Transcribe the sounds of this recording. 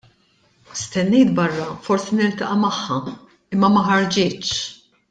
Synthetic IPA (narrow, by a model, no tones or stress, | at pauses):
st̪ɛnːɛjt̪bɐrːɐfɔɾsinɪɾt̪ɐʔɐmɐħːɐ | ɪmːɐmɐħɐɾd͡ʒɪːt͡ʃ